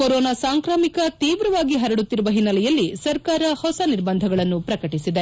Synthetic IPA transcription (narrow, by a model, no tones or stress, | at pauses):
kɔɾɔːnaːsaːŋkɾaːmikɐt̪iːʋɾɐʋaːɡiɦɐɾɐɽut̪ːiɾuʋɐɦinːɐlɛjɐlːisɐɾkaːɾɐhɔsɐniɾbɐnd̪ʱɐɡɐɭɐnːupɾɐkɐʈisid̪e